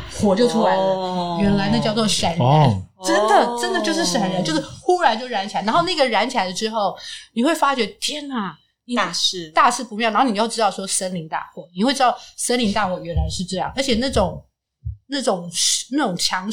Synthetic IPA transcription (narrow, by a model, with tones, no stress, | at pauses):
xwɔ˧˥t͡ɕjo˥˩ʊt̪ʰu˥la˧˥ɪlə˦ɥɛ˧˥nla˧˥ɪna˥˧t͡ɕjɑ˥˧ʊt͡swɔ˥˩ʂə˨˩˥nɻə˧˥˦ | ʈ͡ʂə˦˥nd̪ə˨ʈ͡ʂə˥nd̪ə˨t͡ɕjo˥˧ʊʂɻ̩˥˩ʂə˨˩˦nɻə˧˥nt͡ɕo˥˧ʊʂɻ̩˥˩xu˥ɻa˧nt͡ɕo˥˧ʊ˥˧a˧˥nt͡ɕʰa˧˥n˧˥o˥˧ʊna˥˩ɡə˩ɻa˧˥nt͡ɕʰi˨˩a˧˥ɪə˧ʈ͡ʂɻ̩˥xo˥˩ʊni˨˩xwe˥˩ɪfa˥t͡ɕɥɛ˧˥t̪ʰjɛ˥na˨˩ | ni˨˩˧t̪a˥˧ʂɻ̩˥˩pu˧˩˧i˧˥˧ni˨˩jo˥˩ʊʈ͡ʂɻ̩˥t̪ɑ˥˩ʊʂwɔ˥ʂə˥nli˧˥ŋt̪a̰˥˩xwɔ˥˩ni˨˩xwe˥˩ɪʈ͡ʂ̩ɻɑ˥˩ʊʂə˥nli˧˥ŋt̪a˥˧xwɔ˥˩ɥɛ˧˥nla˧˥ɪʂɻ̩˥˧ʈ͡ʂɤ˥˧jɑ̰˥˩ŋə˞˧˥t͡ɕʰɛ˨˩na˥˩ʈ͡ʂʊ˨˩˦ŋ | na˥˩ʈ͡ʂʊ˨˩ŋ˨˩na˥˩ʈ͡ʂʊ˨˩ŋt͡ɕʰjɑ˧˥ŋ